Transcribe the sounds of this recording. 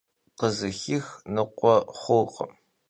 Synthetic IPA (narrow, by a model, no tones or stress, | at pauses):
qəzɨxɪxnɨqʷɔχʷʊːqʼə̰m